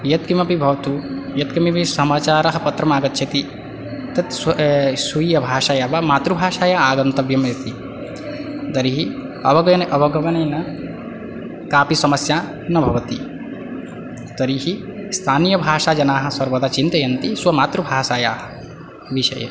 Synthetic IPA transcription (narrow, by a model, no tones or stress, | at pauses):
jɐt̪kimɐpibʱɐʋɐt̪ujɐt̪̚kimipisɐmaːt͡ʃaːɾɐɦɐ̆pɐt̪ɾɐmaːɡɐt̪ːt͡ʃʰɐt̪i | t̪ɐt̪ssuijɐbʱaːʃaːjaʋamaːt̪ɾubʱaːʃaːjaːaːɡɐnt̪ɐʋbjɐmjɐt̪i | d̪ɐɾiɦi | ɐ̰bɐɡɐnɐʔɐbʱɐɡɐʋɐnɐjnɐ | kaːpisɐmɐsjaː | nɐbʱɐʋɐt̪i | d̪̥ɐɾiɦist̪ʰaːnijɐbʱaːʃaːd͡ʒɐnaːɦɐ̆sɐɾʋɐd̪aːt͡ʃint̪ɐjɐnt̪iswɐmaːt̪ɾubʱaːʃaːjaːɦɐ | ʋiʃɐ̰jɐ̰